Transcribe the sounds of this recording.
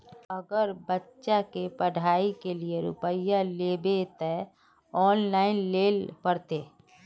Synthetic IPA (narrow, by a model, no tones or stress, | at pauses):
əɡəɾbətːʃakepəɽʱaːikelieɾʊ̰pəjaleːbet̪ɛ | ɔːnlaːɪnleːlpəɽt̪eː